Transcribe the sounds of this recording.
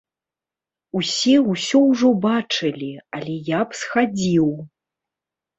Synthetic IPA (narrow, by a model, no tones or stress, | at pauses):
usʲɛwsʲɔwʐɔbat͡ʂɨlʲialʲɛjapsxad͡zʲiw